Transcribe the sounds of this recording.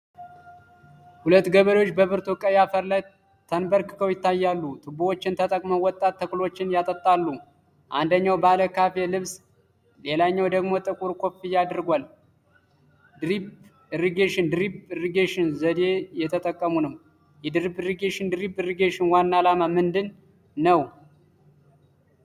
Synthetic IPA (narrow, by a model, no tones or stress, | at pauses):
hulət̪ːɡəβəɾo̞t͡ʃːbəβɨɾt̪ʰukʼəjafəɾlaj | t̪ʰənbəɾkɨ̥kʰəwjɪt̪ʰːajːalːut̪ʰɨbuwot͡ʃːɪnt̪ʰət̪ʼəkʼməwɔt̪ʼat̪ːəklo̞t͡ʃːɪnjat̪ʼət̪ʼːalːu | ʔand̪əɲːawbəaləkʰafelɨβs | le̞laɲːawd̪əɡmo̞t̪ʼɨkʼuɾkʰo̞fijːad̪ɾɨɡʷal | d̪ɨɾib | ɨɾiɡeʃɪnd̪ɨɾibɨɾiɡeʃɪnzəd̪e̞jɛt̪ʰət̪ʼəkʼːəmunəw | jɛd̪ɨɾibɨɾiɡeʃɪnd̪ɨɾibɨɾiɡeʃɪnwanːalamamɨnd̪ɨnː | əw